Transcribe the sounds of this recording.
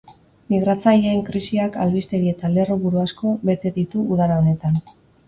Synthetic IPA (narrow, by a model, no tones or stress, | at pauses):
miɣ̞ɾat͡sajeeŋkɾisiakalβist̪e̞ɾie̞t̪ale̞ruβuɾuasko̞βe̞t̪e̞ðit̪uuðaɾaone̞t̪an